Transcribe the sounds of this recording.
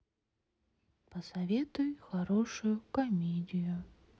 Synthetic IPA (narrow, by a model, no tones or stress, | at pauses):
pəsɐvʲet̪ʊjxɐɾoʂʊjʊkɐmʲedʲɪjʊ